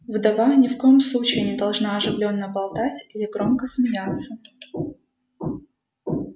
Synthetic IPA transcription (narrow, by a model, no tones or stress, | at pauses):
vd̪ɐvanʲɪfko̞jɪmslˠut͡ɕɪɪnʲɪd̪ɐlˠʐnaɐʐɨvlʲo̞nːəbɐlˠt̪atʲilʲɪɡɾomkəsmʲɪnʲat̪sːə